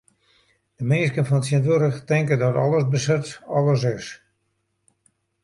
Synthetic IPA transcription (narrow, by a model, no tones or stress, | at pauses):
d̥əmɪːskənfɔnətsiəntʋuɾəxtɪŋkədɔtɔ̰lˠəsbəsɪtɔ̰lˠəs̬ɪs